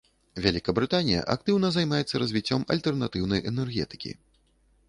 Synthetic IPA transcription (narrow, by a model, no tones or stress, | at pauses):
vʲalʲikɐbɾɨt̪anʲijɐ̰ʔak̚t̪ɨwnɐzajmajɛt̪sːɐɾɐzʲvʲit͡sʲːɔmɐ̰lʲt̪ɛrnat̪ɨwnɐjʔɛnɛrɣʲɛ̰t̪ɨ̥kʲḭ